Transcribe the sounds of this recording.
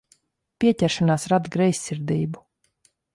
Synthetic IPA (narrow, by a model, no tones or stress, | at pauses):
pʲiɛcʲæɾʃanaːsɾad̪ɡɾɛjsʲːiɾd̪iːbu